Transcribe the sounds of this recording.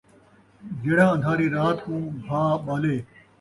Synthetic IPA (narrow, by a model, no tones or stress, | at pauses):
d͡ʒeːɽãːə̃nd̪ʱaːɾiːɾaːt̪kũːbʱaːɓaːleː